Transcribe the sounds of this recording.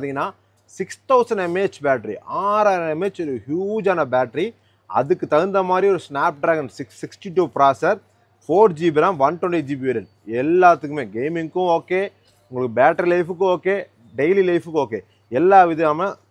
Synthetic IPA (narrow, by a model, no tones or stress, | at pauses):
t̪iŋɡɐnːaː | sɪkst̪ɐʊsɐɳɖɛmeːt͡ʃbaːʈɾḭʔaːɾaːjnɐɛmeːt͡ʃɔɾɯhjuːd͡ʒaːnɐbaːʈɾi | ɐ̰ðɯkːɯt̪ɐɣɯnd̪ɐmaːd̪ɾiɔɾɯsnaːp̚ɖɾaːɡɐnsɪksɪksʈiʈuːpɾaːsɐɾ | foːɾd͡ʒibiɾãːmʋɐnʈɔɳɖid͡ʒiːbɾɐn | ɛlːaːt̪ːɯkːɯmeːɡeːmɪŋkːʊ̃oːkːeː | ʊŋɡɐɭɯkːɯbaːʈɐɾilɐɪfɯkːʊ̃oːkːeː | ɖeɪlilɐɪfɯkːoːkːeː | ɛlːaːʋɪðɐjaːmẽ